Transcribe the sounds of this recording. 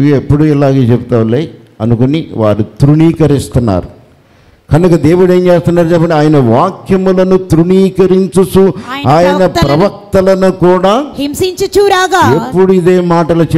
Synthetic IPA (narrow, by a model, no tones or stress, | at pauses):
iepːuɽuɛlaːɡeːt͡ʃɛput̪aːʋɐlːeː | ɐ̰nukoniʋa̰ːɾut̪ɾuɳiːkɐɾist̪unːa̰ːɾu | kɐnukɐd̪eːʋuɽeːnt͡ʃeːst̪unːaːɾut͡ʃɛpːɐɳːɖiaːjɐnɐʋaːkʰjɐmulɐnut̪ɾuɳiːkɐɾiɲt͡ʃusuaːjɐnɐpɾɐʋɐk̚t̪ɐlɐnukuːɽaːmsiɲt͡ʃit͡ʃuːɾaːɡepːuɽuid̪e̞ːmaːʈɐlut͡ʃ